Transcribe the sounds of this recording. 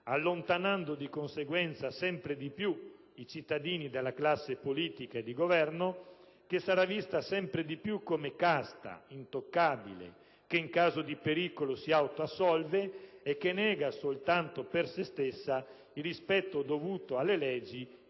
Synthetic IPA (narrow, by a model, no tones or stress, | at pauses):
alːont̪anand̪od̪ikonseɡwɛnt̪sasɛmpɾed̪ipju | it͡ʃit̪ːad̪iːnid̪elːaklasːepoliːt̪ikaed̪iɡovɛrno | kesaɾavist̪asɛmpɾed̪ipjukːomekast̪a̰int̪okːaːbḭlḛ | keiŋkaːzod̪ipeɾiːkolosiawt̪oasːɔlveekːenɛːɡasolt̪ant̪opersest̪esːa | ilrispɛt̪ːod̪ovuːt̪oalːelɛːd͡ʒi